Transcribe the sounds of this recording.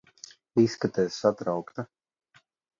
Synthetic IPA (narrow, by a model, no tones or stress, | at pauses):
iskat̪ɛːssat̪ɾawkt̪a